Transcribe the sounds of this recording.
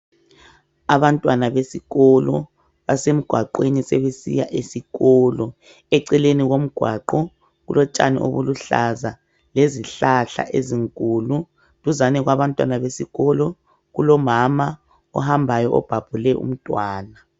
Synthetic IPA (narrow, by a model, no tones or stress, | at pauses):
aβantʼwanaβesiɣɔlɔ | βasem̩ɡ̥ʱwaǃwenisɛβesḭjaʔesiɣɔlɔ | ɛǀɛleniɣom̩ɡ̥ʱwaǃɔ | ɣulʔɔt͡ʃʼa̰nḭʔo̰βuluɬaza | leziɬaɬa̰ʔeziŋkʼulu | dʱuzanɛɣwaβantʼwanaβesiɣɔlɔ | ɣulɔmama | ɔ̰hambʱajɔʔɔ̰b̥ʱab̥ʱulɛʔṵm̩tʼwaːna